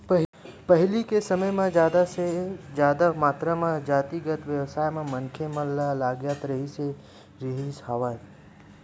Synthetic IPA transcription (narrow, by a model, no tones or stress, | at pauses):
pəɦpəɦɪlikesɐməjmẽd͡ʒjaːd̪ased͡ʒjaːd̪amaːt̪ɾamãd͡ʒaːt̪iɡət̪ʋjəʋsaːjmẽmɐ̃nkʰemɐ̃lalaːɡjaːt̪ɾəɦise | ɾiɦishaʋaːi